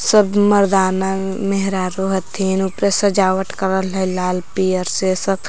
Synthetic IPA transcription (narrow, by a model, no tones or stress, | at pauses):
səbməɾd̪aːnameɦɾaːɾoɦət̪ʰiːnʊpɾesɐd͡ʒaːʋəʈkəɾəlɦɛlaːlpiːəɾsesəb